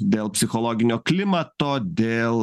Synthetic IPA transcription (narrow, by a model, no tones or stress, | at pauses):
d̪ʲeːlˠpʲsʲɪxɔlˠoːɡʲɪnʲoːklʲɪmɐt̪oːd̪ʲeːlˠ